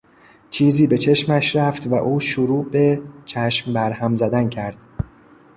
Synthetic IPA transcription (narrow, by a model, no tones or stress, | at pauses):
t͡ʃʰiːziːbe̞t͡ʃʰe̞ʃmæʃɾæft̪væʔuːʃoɾuːbet͡ʃʰæʃmbæɾhæmzæd̪æncʰæɾd̪̥